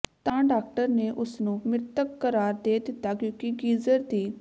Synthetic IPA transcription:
t̪ãːɖaːk̚ʈəɾneːʔʊsnũːmɪɾt̪əkːəɾaːɾd̪eːd̪ɪt̪ːaːkjõːkiɡiːzəɾd̪iː

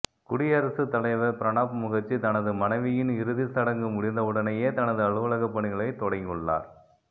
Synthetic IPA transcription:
kʊɽɪjɐɾɐsɯt̪ːɐlɐɪʋɐɾpɪɾɐnaːpmʊɣɐɾt͡ʃːit̪ɐnɐðɯmɐnɐɪʋɪjɪnɪɾɯðisɐɽɐŋɡɯmʊɽɪnd̪ɐʊɽɐnɐjeːt̪ɐnɐðɯɐɭɯʋɐlɐɣɐpːɐɳɪɣɐɭɐɪt̪ːɔɽɐɪŋɡɯɭːa̰ːɾ

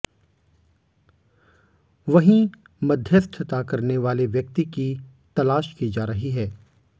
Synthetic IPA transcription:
ʋɐɦĩ | mɐd̪ʱjəst̪ʰt̪akɐɾneʋaːleʋjɐk̚t̪iki | t̪ɐlaːʃkiːd͡ʒaːɾɐɦiɦɛː

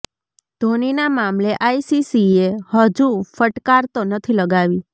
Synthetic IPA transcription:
d̪ʱoninamamleʔaisisiehəd͡ʒufəʈkaɾt̪onət̪ʰiləɡaʋi

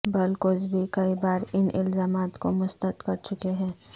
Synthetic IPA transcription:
bɐlkozbʱikɐibaːɾɪnʔɪ̰lzaːmaːt̪komʊst̪ət̪kɐɾt͡ʃʊkeɦɛ̃ː

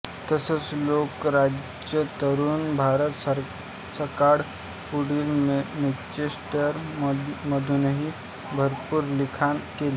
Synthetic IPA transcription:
t̪əsət͡sloːkɾad͡ʒ | d͡ʒjət̪əɾunbʱaːɾət̪s | səkaɾ | puɽilmemit͡ʃesʈəɾməd̪ʱunəɦi | bʱəɾpuːɾlikʰankeli

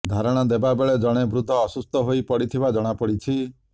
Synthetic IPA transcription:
d̪ʱaɾɔɽ̃ɔd̪ebabeɭed͡ʒɔɽ̃ebɾud̪ʱːɔːsust̪ɔɦojpɔɽit̪ʰibad͡ʒɔɽ̃apɔɽit͡ʃʰi

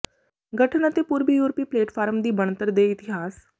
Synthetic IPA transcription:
ɡʱəʈʰənat̪epuːɾbijuːɾpiːpleːʈfaːɾəmd̪iːbəɳt̪əɾd̪eit̪iɦaːs

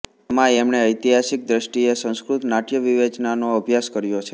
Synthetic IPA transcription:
əmãemɳeəjt̪iɦaʃik̚d̪ɾəʃʈiesə̃ñskɾut̪naʈjəʋiʋet͡ʃnanoəbʱjaskəɾjot͡ʃʰe

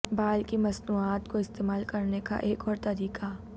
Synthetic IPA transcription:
baːlkimɐsnuːaːt̪koɪst̪eːmaːlkɐɾneka̰ʔeːkɔːɾt̪ɐɾiːqa

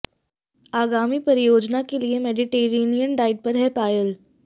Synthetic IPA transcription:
aːɡaːmipɐɾɪjoːd͡ʒnakeliemɛːɖiʈeːɾeːnijənɖaːɪɖ̚pɐɾɦɛpaːjəl

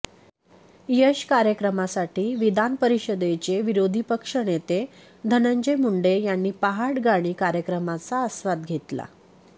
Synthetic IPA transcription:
jəɕkaɾjəkɾəmasaʈiːʋid̪anpəɾiɕəd̪et͡ɕeʋiɾod̪ʱipəkʂəɳet̪e | d̪ʱənəɲd͡ʑemuɳɖejanːiːpaɦaɽɡaɽ̃iːkaɾjəkɾəmat͡saəsʋad̪̚ɡʱet̪la̰

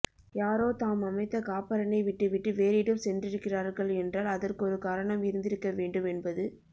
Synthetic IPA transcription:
jaːɾoːt̪aːmɐmɐɪt̪ːɐkaːpɐɾɐnɐɪʋɪʈːɯʋɪʈːɯʋeːɾɪɽɐmsɛndrɪɾɯkːɪraːɾɣɐɭɛndraːlɐðɐrkɯɔɾɯkaːɾɐɳɐmɪɾɯnd̪ɪɾɯkːɐʋeːɳɖɯmɛnbɐðɯ

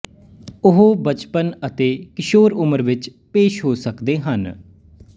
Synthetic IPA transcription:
ʊɦoːbət͡ʃpənət̪eːkɪʃoːɾʊməɾʋɪt͡ʃ | peːʃɦoːsəkd̪eːɦən

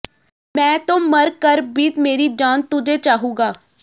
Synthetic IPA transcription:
mɛ̃ːt̪õːməɾkəɾbiːt̪meːɾiːd͡ʒaːnt̪ʊd͡ʒeːt͡ʃaːɦũːɡaː

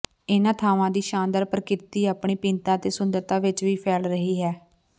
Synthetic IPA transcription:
ɪnãːt̪ʰaːʋãːd̪iːʃãːnd̪əɾpəɾkɪt̪iːaːpɳiːpɪnt̪ãːt̪eːsʊnd̪əɾt̪aːʋɪt͡ʃʋiːpʰɛːlɾəɦiːɦɛː

